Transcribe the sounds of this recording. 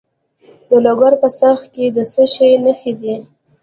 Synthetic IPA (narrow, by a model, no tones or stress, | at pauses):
d̪əloɡaɾpəsaxked̪əsəʃəjnəxid̪i